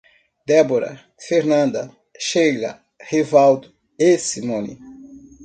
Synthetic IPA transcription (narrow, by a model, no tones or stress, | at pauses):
d̪ɛboɾɐ̰ | feɾnɐ̃nd̪ɐ | ʃejlɐ̰ | hevawd̪ʊ | esimõnḭ